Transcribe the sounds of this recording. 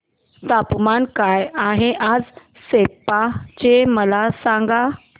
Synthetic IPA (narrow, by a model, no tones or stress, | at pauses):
t̪apmankajaɦeʔad͡z | sepat͡ɕeməlasãŋɡa